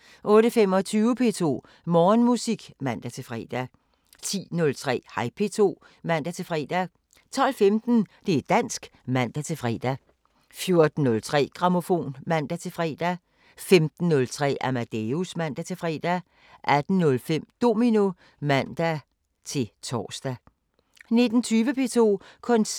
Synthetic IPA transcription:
ʔɔ̽ːɾ̥əfem̰ɒ̽t͡sʰyːʊəpʰe̝̰t͡sʰo̝̰ː | mɒːnmusiɡ̥mæn̰d̥æt͡sʰe̝fʁɛ̰ːd̥æ | t͡sʰḭːnɔ̽lt͡sʰʁɛ̰ːhɑ̈ɪpʰe̝t͡sʰo̝̰ː | mæn̰d̥æt͡sʰe̝fʁɛ̰ːd̥æ | t͡sʰɒ̽l̰femd̥n̩d̥e̝æd̥æn̰sɡ̥ | mæn̰d̥æt͡sʰe̝fʁɛ̰ːd̥æ | fjo̝ɐd̥n̩ːɔ̽lt͡sʰʁɛ̰ːɡ̥ʁɑ̈mo̝fo̝̰ːnmæn̰d̥æt͡sʰe̝fʁɛ̰ːd̥æ | femd̥n̩ːɔ̽lt͡sʰʁɛ̰ːæmæd̥eusmæn̰d̥æt͡sʰe̝fʁɛ̰ːd̥æ | ʔæd̥n̩ːɔ̽lfem̰d̥o̝mino | mæn̰d̥æ | t͡sʰe̝lt͡sʰɒ̰ːsd̥æ | ne̝d̥n̩t͡sʰyːʋəpʰe̝t͡sʰo̝̰ːkʰɔ̽n

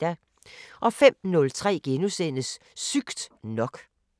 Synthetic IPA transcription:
æ | ʔɒ̽fem̰nɔ̽lt͡sʰʁɛ̰ːɡ̥enusenəsː | yɡ̥d̥nɒ̽ɡ̥

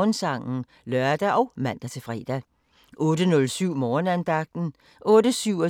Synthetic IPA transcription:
nsɑ̈ŋ̰n̩ | lɶɐd̥æʔɒ̽ʊmæn̰d̥æt͡sʰe̝fʁɛ̰ːd̥æ | ʔɔ̽ːd̥ənɔ̽lsyʊ̰mɒːnænd̥ɑ̈ɡ̥̚d̥n̩ | ʔɔ̽ːdəsyʊ̰ɒ

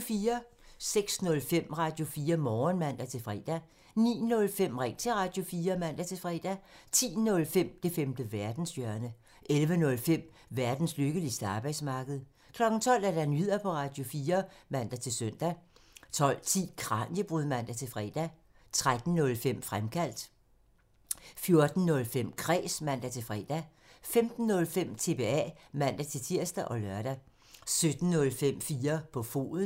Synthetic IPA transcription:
fiːɐ | seɡ̥snɔ̽lfem̰ʁɑ̈d̥jo̝fiːɐmɒːnmæn̰d̥æt͡sʰe̝fʁɛ̰ːd̥æ | nḭːnɔ̽lfem̰ʁɛŋ̰t͡sʰe̝ʁɑ̈d̥jo̝fiːɐmæn̰d̥æt͡sʰe̝lfʁɛːd̥æt͡sʰḭːnɔ̽lfem̰d̥e̝femd̥əʋæɐd̥n̩sjœɐnə | ʔelʋənɔ̽lfem̰ | ʋæɐd̥n̩sløɡ̥əlisd̥əɑ̈ːb̥ɑɪ̥smɑ̈ːɡ̥əð̞̩ˠ | kʰlɒ̽ɡ̥n̩t͡sʰɒ̽l̰æɐd̥ænyð̰ˠɐpʰɒ̽ʁɑ̈d̥jo̝fiːɐmæn̰d̥æt͡sʰe̝søn̰d̥æt͡sʰɒ̽l̰t͡sʰḭːkʰʁɑ̈ːnjəb̥ʁuðˠmæn̰d̥æt͡sʰe̝fʁɛ̰d̥æ | t͡sʰʁad̥n̩nɔ̽lfem̰fʁamkʰæl̰d̥ | fjo̝ɐd̥n̩nɔ̽lfem̰kʰʁɛ̰ːsmæn̰d̥æt͡sʰe̝lfʁɛ̰d̥æ | femd̥n̩ːɔ̽lfem̰t͡sʰe̝b̥e̝ɛ̰mæn̰d̥æt͡sʰe̝lt͡sʰiɐ̰sd̥æʔɒ̽lœɐɾ̥æ | sød̥n̩ːnɔ̽lfem̰fiːɐpʰɒ̽fo̝̰ːðˠ

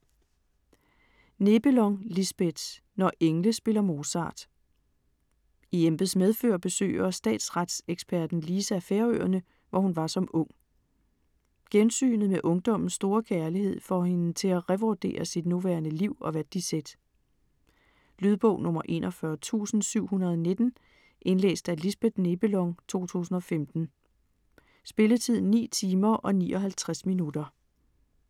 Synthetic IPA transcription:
ne̝b̥əlɒ̽ŋlisb̥ed̥ | nɒʔeŋləsb̥e̝lɐmo̝sɑ̰̈ːd̥ | iemb̥ð̩ˠsmeðˠfø̰ːɐb̥e̝sø̰ːɪɐsd̥ɛ̰ːd̥sʁad̥seɡ̥sb̥ʰæɐd̥n̩lisæfeːɐøɐnə | ʋɒhunʋɑ̈sɒ̽mɔ̽ŋ̰ | ɡ̥ensy̰ːnð̩ˠmeʔɔ̽ŋd̥ɒ̽m̰n̩sːd̥o̝ːɐkʰæɐliɦe̝ð̞̰ˠfɒhe̝nət͡sʰe̝læʁɛʋɒd̥e̝̰ːɐsid̥nuʋæ̰ɐnəliʊ̰ɒ̽ʋæd̥̚d̥ised̥ | lyð̞ˠb̥ɔ̰ʊnɔ̽mɐʔe̝̰ːnʔɒfɶɐt͡sʰṵːsn̩syʊ̰hunɐð̞ˠne̝d̥n̩ | ʔe̝nlḛːsd̥ælisb̥eð̥ˠne̝b̥əlɒ̽ŋt͡sʰo̝̰ːt͡sʰṵːsn̩ɒ̽femd̥n̩ | sb̥e̝lət͡sʰið̞̰ˠn̩ːḭːt͡sʰiːmɐʔɒ̽nḭːʔɒ̽ɦælt͡sʰʁasminudɐ

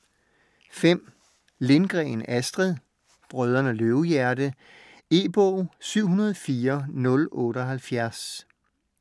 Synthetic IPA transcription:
fem̰ | le̝nɡ̥ʁɛ̰ːnæsd̥ʁiðˠ | b̥ʁœð̞ˠɐnəløʊjæɐdə | e̝b̥ɔːsyʊ̰ɦunɐð̞̩ˠfiːɐnɔ̽lɔ̽ːɾ̥əɒɦælfjæɐs

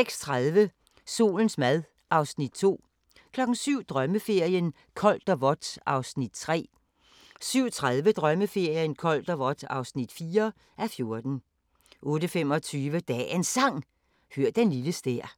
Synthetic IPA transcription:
seɡ̥st͡sʰʁaðˠʋə | so̝̰ːln̩smæðˠ | ʔɑ̈ʊsnid̥̚t͡sʰo̝̰ː | kʰlɒ̽ɡ̥n̩syʊ̰d̥ʁɶməfe̝ɐ̰jən | kʰɒ̽ld̥ɒʋɒ̽d̥ʔɑ̈ʊsnid̥̚t͡sʰʁɛ̰ː | syʊ̰t͡sʰʁaðˠʋəd̥ʁɶməfe̝ɐ̰jənkʰɒ̽l̰d̥ɒʋɒ̽d̥ɑ̈ʊsnid̥fiːɐ | ʔæfjo̝ɐd̥n̩ | ʔɔ̽ːɾəfem̰ɒ̽t͡sʰyːʋəd̥ɛ̰ensɑ̈ŋ̰ | høɐ̰̥enliləsd̥eɐ̰

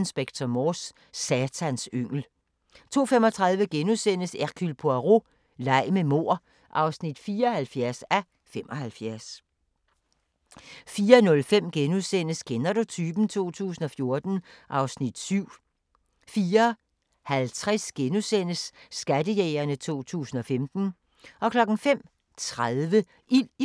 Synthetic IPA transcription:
nsb̥eɡ̥̚t͡sʰɐmɒːsː | ɛt͡sʰænsøŋ̰l̩ | t͡sʰo̝̰ːfemɒ̽t͡sʰʁɑ̈ð̞ˠʋəɡ̥enusen̰əsæʁkʰylpʰoæʁo̝ | lɑ̈ɪ̰memo̝ɐ̰ | ʔɑ̈ʊsnid̥fiːɐhælfjæɐsæ | fem̰ʔɒ̽hælfjæɐs | fiːɐnɔ̽lfem̰ɡ̥enusen̰əsɡ̥ʰenɐɾo̝t͡sʰyːb̥n̩t͡sʰo̝̰ːt͡sʰṵːsn̩ɒ̽fjo̝ɐd̥n̩ʔɑ̈ʊsnid̥syʊ̰ | fiːɐ | hælt͡sʰʁɛsɡ̥enusen̰əsːɡ̥ædəjɛːɪɐnət͡sʰo̝̰ːt͡sʰṵːsn̩ɒ̽femd̥n̩ | ʔɒ̽kʰlɒ̽ɡ̥n̩fem̰ | t͡sʰʁaðˠʋə | ʔil

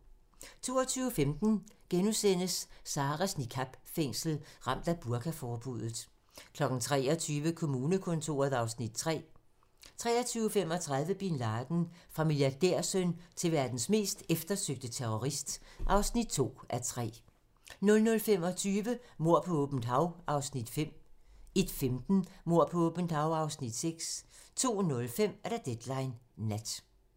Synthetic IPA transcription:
t͡sʰo̝̰ːɒt͡sʰyːʊəfemd̥n̩ɡ̥enusen̰əsːɑ̈ːʁæsnikʰɑb̥feŋ̰sl̩ʁɑ̈m̰d̥æb̥uɐkʰæfɒːb̥uð̰ˠð̩ˠ | kʰlɒ̽ɡ̥n̩t͡sʰʁɛ̰ːɒt͡sʰyːʋəkʰo̝muːnəkʰɔ̽nt͡sʰo̝̰ːɐð̩ˠɑ̈ʊsnid̥t͡sʰʁɛ̰ː | t͡sʰʁɛ̰ːɐt͡sʰyːʊəfem̰ɒ̽t͡sʰʁɑ̈ð̞ˠʋəb̥inlɑ̈ːd̥n̩fʁɑ̈miljɑd̥eɐ̰sønt͡sʰe̝ʋæɐd̥n̩sme̝̰ːsd̥efd̥ɐsøɡ̥̚d̥ət͡sʰeʁɔʁisd̥ʔɑ̈ʊsnid̥̚t͡sʰo̝̰ːæɐt͡sʰʁɛ̰ː | nɔ̽lnɔ̽lfem̰ɒ̽t͡sʰyːʋəmo̝ɐ̰pʰɒ̽ɔb̥n̩d̥hɑ̈ʊɑ̈ʊsnid̥fem̰e̝d̥femd̥n̩mo̝ɐ̰pʰɒ̽ɔb̥n̩d̥hɑ̈ʊɑ̈ʊsnid̥seɡ̥st͡sʰo̝̰ːnɔ̽lfem̰æɐɾ̥æd̥ed̥lɑ̈ɪnːæd̥

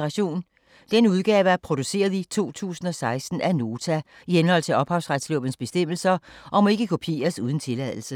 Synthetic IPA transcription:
ʁɑɕo̝̰ːn | d̥enəuð̞ˠɡ̥ɛːʊəæɐpʰʁo̝d̥use̝̰ːɐð̞ˠit͡sʰo̝̰ːt͡sʰṵːsn̩ɒ̽sɑ̈ɪsd̥n̩æno̝ːt͡sʰæ | ihenhɒ̽l̰t͡sʰe̝lɒ̽b̥hɑ̈ʊsʁad̥slɔ̰b̥n̩sb̥e̝sd̥em̰l̩sɐʔɒ̽mɒ̽e̝ɡ̥əkʰo̝pʰe̝̰ːɐsuðˠn̩t͡sʰe̝læðˠl̩sə

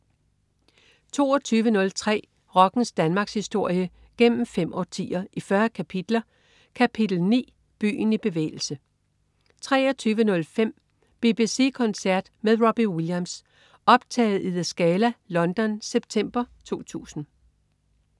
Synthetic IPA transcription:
t͡sʰo̝̰ːɐt͡sʰyːʋənɔ̽lt͡sʰʁɛ̰ː | ʁɒ̽ɡ̥n̩sd̥ænmɑ̈ːɡ̥shisd̥o̝ɐ̰jə | ɡ̥en̰m̩fem̰ʔɒt͡sʰḭːɐʔifɶɐkʰæpʰid̥lɐ | kʰæpʰid̥l̩nḭː | b̥y̰ːn̩ib̥e̝ʋḛːɪl̩sə | t͡sʰʁɛːɐt͡sʰyːʋənɔ̽lfem̰ | b̥e̝b̥ise̝̰ːkʰɒ̽nsæɐ̰d̥meðˠʁob̥iwiljæms | ɒ̽b̥t͡sʰɛ̰ːɪð̩ˠiðˠæsɡ̥ɛːlælɒ̽nd̥ɒ̽nseb̥̚t͡sʰem̰b̥ɐt͡sʰu̝ːt͡sʰṵːsn̩

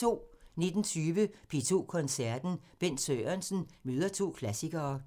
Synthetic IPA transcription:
o̝̰ːne̝d̥n̩t͡sʰyːʋəpʰet͡sʰo̝̰ːkʰɒ̽nsæɐd̥n̩b̥en̰søɪɐnsn̩møːð̞ˠɐt͡sʰo̝̰ːkʰlæsiɡ̥ɐː

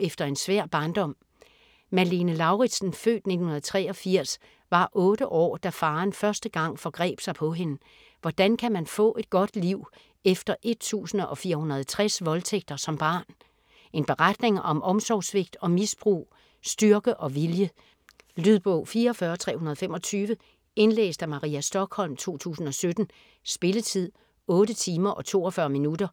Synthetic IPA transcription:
efd̥ɐe̝nsʋæɐ̰b̥ɑ̈ːnd̥ɒ̽m̰ | mælinəlɑ̈ʊʁid̥sn̩fø̰ːd̥ne̝dn̩hunɐðˠt͡sʰʁɛ̰ːɒ̽fiɐ̰s | ʋɑ̈ʔɔ̽ːɾ̥əʔɒ̰ːd̥æfɑ̈ːnfɶɐsd̥əɡ̥ɑ̈ŋ̰fɒ̽ɡ̥ʁɛ̰ːb̥sɑ̈ɪpʰɒ̽ɦe̝nə | ʋɒd̥ænkʰæmænfɔ̰̽ːʔe̝d̥̚ɡ̥ɒ̽d̥liʊ̰ | efd̥ɐʔe̝d̥̚t͡sʰṵːsn̩ɒ̽fiːɐhunɐð̞̩ˠt͡sʰʁɛsʋɒ̽lt͡sʰeɡ̥̚d̥ɐsɒ̽mb̥ɑ̈ːn | e̝nb̥e̝ʁad̥ne̝ŋɒ̽mʔɒ̽msɒːsʋe̝ɡ̥̚d̥ɒ̽misb̥ʁṵː | sd̥yɐɡ̥əʔɒ̽ʋiljə | lyðˠb̥ɔʊfiːɐɒfɶːɐt͡sʰʁɛ̰ːhunɐðˠfem̰ɒ̽t͡sʰyːʋə | e̝nlḛːsd̥æmɑ̈ʁḭːæsd̥ɒ̽ɡ̥hɒ̽l̰mt͡sʰo̝̰ːt͡sʰṵːsn̩ɒ̽sød̥n̩ | sb̥e̝lət͡sʰið̰ˠ | ɔ̽ːdət͡sʰiːmɐʔɒ̽t͡sʰo̝̰ːɒfɶɐminud̥ɐ

